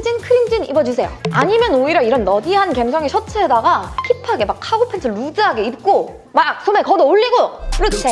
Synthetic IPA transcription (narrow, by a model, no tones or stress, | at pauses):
d͡ʑinkʰɯɾimd͡ʑinḭbʌd͡ʑusʰe̞jo̰aɲimjʌnoiɾaiɾʌnːʌdiɦankemsʰʌŋeɕʰʌt͡ɕʰedaɡaçipʰaɡe̞mak̚ʰaɡopʰensʰɯɭɾud͡ʑɯɦaɡe̞ip̚k͈o | mak̚s͈ʰomekʌdooɭːiɡoɾɯsʰe